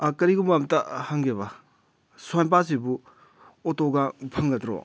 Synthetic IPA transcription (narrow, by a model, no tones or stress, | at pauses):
kɐɾiɡumbamtɐhɐŋɡebɐ | swjnp̬as̬ibu | otoɡapʰɐŋɡɐtɾo̰